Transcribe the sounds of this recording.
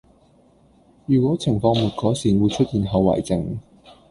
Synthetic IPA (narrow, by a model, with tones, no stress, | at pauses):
jyː˨˩kʷɔː˨˥t͡sʰɪ˨˩ŋfɔː˧ŋmuː˨˩t̚kɔː˨˥siː˨˩nwu˨˧jt͡ʃʰɵ˥t̚jiː˨˧nɦɐ˨˧wɐ̰ː˨˩jt͡sɪ˨ŋ